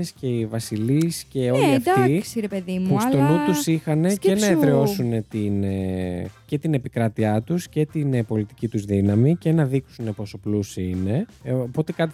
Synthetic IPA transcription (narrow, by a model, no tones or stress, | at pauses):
esce̞ivɐsilisce̞o̞liiɐft̪isiɾepeðimust̪olut̪usixɐne̞cenɐet̪ɾeo̞sune̞t̪in | ce̞t̪ine̞pikɾɐt̪iɐt̪usce̞t̪inpo̞lit̪i̥cit̪uzðinɐmice̞nɐðiksune̞po̞so̞plusiine̞opo̞t̪ekɐt̪i